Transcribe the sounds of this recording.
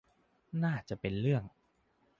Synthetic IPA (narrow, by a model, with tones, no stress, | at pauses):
naː˥˩t͡ɕa˨˩ʔpe˧nɾɯ˥˩əŋ